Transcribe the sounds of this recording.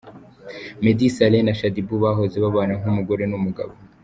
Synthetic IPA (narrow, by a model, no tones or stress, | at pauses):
me̞disalenaʃadibuβaɦo̞ze̞βaβanaŋhumuɡo̞ɾe̞numuɡaβo